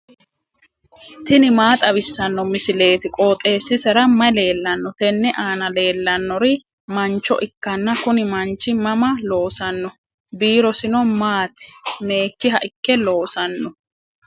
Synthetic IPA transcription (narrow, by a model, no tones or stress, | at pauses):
t̪ɪnɪmaːt̪ʼɐβɪsːɐnːɔmɪsɪle̞ːt̪ɪkʼoːt̪ʼe̞ːsːɪsɛɾɐmɐjle̞ːlːɐnːɔt̪ɛnːɛʔaːnɐle̞ːlːɐnːɔɾɪ | mɐnt͡ʃːɔ̰ʔɪkːɐnːɐkʊnɪmɐnt͡ʃːɪmɐmɐlo̞ːsɐnːɔ | biːɾɔsɪnɔmaːt̪ɪ̥me̞ːkːɪɦɐʔɪkːɛlo̞ːsɐnːɔ